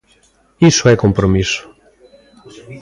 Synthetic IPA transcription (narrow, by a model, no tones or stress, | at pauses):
isoɛkompɾomiso̥